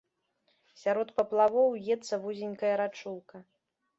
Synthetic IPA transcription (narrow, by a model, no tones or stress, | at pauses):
sʲaɾɔt̪pɐplˠavɔwjɛt̪sːɐvuzʲinʲkɐjɐɾat͡ʂulˠkɐ